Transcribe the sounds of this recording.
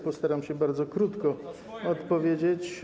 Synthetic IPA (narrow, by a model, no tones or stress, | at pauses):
pɔst̪aɾamɕɛbaɾd̪zɔkɾut̪kɔ | ɔt̪pɔvʲjed͡ʑet͡ɕ